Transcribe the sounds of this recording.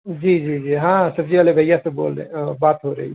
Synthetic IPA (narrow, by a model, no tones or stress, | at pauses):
d͡ʒiːd͡ʒiːd͡ʒiːɦãsɐbziʋaːlebʱɐjaseboːld̪ḛ̃baːt̪ɦoɾɐɦi